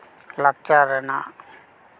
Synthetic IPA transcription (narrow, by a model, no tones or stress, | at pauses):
lak̚t͡ʃaɾɐna